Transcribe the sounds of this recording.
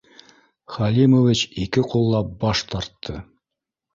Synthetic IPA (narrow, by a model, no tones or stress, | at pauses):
χɑlʲimovʲit͡ɕikɘqulˠːɑp̚bɑʃt̪ɑɾt̪ʰːɤ